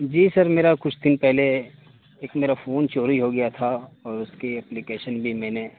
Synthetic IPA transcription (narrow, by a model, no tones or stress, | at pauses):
d͡ʒiːsɐɾmeːɾakʊt͡ʃʰd̪ɪnpɛɦle | eːkmeːɾafʰoːnt͡ʃoːɾiɦoɡɐjat̪ʰaɔːɾʊskiɛplikeːʃənbʱimɛ̃ːne